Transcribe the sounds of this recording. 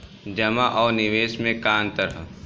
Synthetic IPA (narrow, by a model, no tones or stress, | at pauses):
d͡ʒɐmaʔɔːɾnɪʋeːʃmẽkaːnt̪əɾəɦ